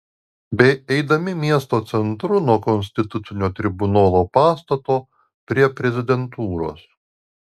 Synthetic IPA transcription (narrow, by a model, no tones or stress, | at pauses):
bʲɛɪɛɪd̪ɐmʲɪmʲiɛst̪oːt̪sʲɛnt̪ɾʊnuɔkɔnʲsʲt̪ʲɪt̪ʊt̪sʲɪnʲoːt̪ʲɾʲɪbʊnoːlˠoːpɑːst̪ɐt̪oː | pʲɾʲiɛpʲɾʲɛzʲɪd̪ʲɛnt̪uːɾo̰ːs